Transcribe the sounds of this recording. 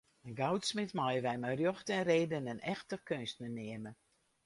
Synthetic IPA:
ənɡawtsmɪtmɔjəʋɛjmajrjoxtɛnreːdənənɛxtəkønstnəneəmə

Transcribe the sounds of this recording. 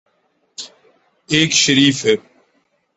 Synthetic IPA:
eːkʃəɾiːfɦe

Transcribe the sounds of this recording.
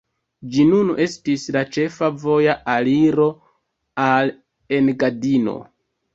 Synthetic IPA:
d͡ʒinune̞stislat͡ʃe̞favo̞jaʔaliɾo̞ | al | e̞nɡadino̞̰

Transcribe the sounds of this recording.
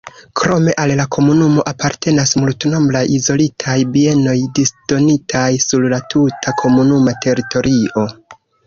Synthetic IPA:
kɾo̞me̞ʔallakʰo̞munumo̞ʔapaɾte̞nasmultno̞mblajizo̞litʰajbie̞no̞jdisd̥o̞nitʰajsuɾlatʰutʰakʰo̞munumatʰe̞ɾitʰo̞ɾʔio̞

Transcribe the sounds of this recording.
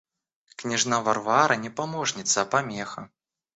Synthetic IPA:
knʲɛʐnavarvaɾɐnʲɛpamɔʐnʲit̪sːɐːpamʲɛxɐ

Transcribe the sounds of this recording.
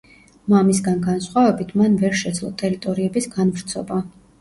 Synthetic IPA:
mamisɡanɡansχwavɛbit̪ʰmanvɛɾʃɛd̪zlˠɔ̰t̪ʼɛɾit̪ʼɔɾiɛbisɡanvɾt̪sʰɔba

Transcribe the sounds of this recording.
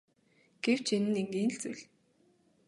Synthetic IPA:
ɡ̥ew̥t͡ɕʰenɘ̆neŋɡiːn̆ɬt͡sṵjɮ

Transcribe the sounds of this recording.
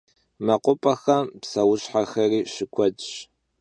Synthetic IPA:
mɐqʷʊpʼɐxɐmpsɐwʊɕħaxɐriːɕɪkʷʰɔt͡ʃʼ

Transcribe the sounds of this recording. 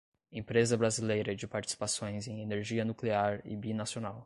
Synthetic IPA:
ẽpɾezɐbɾazilejɾɐd͡ʒɪpaɾt͡ʃi̥si̥pasõj̃zẽj̃eneɾʒiɐnukleaɾɪ̰binasionaw

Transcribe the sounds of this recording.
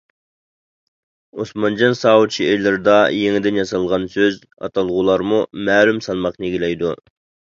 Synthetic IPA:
osmɑnd͡ʒɑnsɑːwut͡ʃʰielɪɾd̪ɑjeŋɪd̪ɪnjɑsɑlˠʁɑnsøz | ɑ̰t̪ʰɑlˠʁulˠɑɾmumɛːlymsɑlˠmɑqneɡʲilɛjd̪u

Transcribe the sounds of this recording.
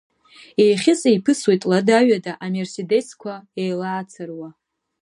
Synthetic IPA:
ejχʲɪsʼejpʰɨswejtʼladaɥadaʔamersede̞skʷʰaejlaːt͡sʰarwa

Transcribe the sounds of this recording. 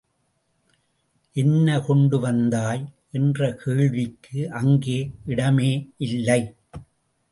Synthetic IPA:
ʔɛnːɐkɔɳɖɯʋɐnd̪aːjʔɛndrɐkʰeːɻʋɪkʰːɯʔɐŋɡeːʔɪɽɐmeːʔɪlːɐɪ

